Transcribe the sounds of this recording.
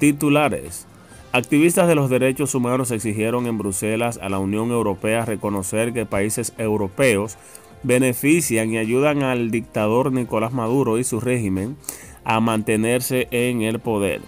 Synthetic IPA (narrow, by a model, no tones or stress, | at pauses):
t̪it̪ulaɾe̞̰s | ak̚t̪iβist̪azðe̞lo̞zðe̞ɾe̞t͡ʃo̞sumãno̞se̞ksiɦje̞ɾo̞ŋẽ̞mbɾuse̞lasa̰launjõ̞ŋe̞wɾo̞pe̞aːre̞ko̞no̞se̞ɾke̞paise̞se̞wɾo̞pe̞o̞s | be̞ne̞fisjaŋiaʝuðaŋald̪ik̚t̪aðo̞ɾniko̞lasmaðuɾo̞isure̞himẽ̞ŋ | amãnt̪e̞neɾse̞ʔeŋe̞lpo̞ðe̞̰ɾ